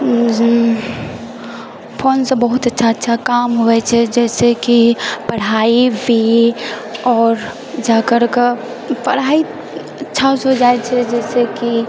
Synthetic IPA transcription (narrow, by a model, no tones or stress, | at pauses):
i | pʰoːnsebəɦʊt̪ətːʃʰaətːʃʰakaːmɦoɛt͡ʃʰɛd͡ʒɛːsekipɐɽ̤aːibʱi | ɔːɾ | d͡ʒaːkəɾke | pɐɽ̤aːi | ɐtːʃʰasod͡ʒaːet͡ʃʰɛd͡ʒɛːseki